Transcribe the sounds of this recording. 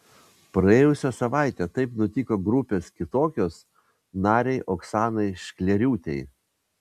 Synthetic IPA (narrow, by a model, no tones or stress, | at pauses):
pɾɐeːjʊsʲɛsɐʋɑˑɪt̪ʲɛt̪ɐɪpnʊt̪ʲɪkoːɡɾʊpʲeːskʲɪt̪oːkʲoːs | nɑːɾʲɛɪʔoksɑːnɐɪʃʲkʲlʲɛɾʲuːt̪ʲɛɪ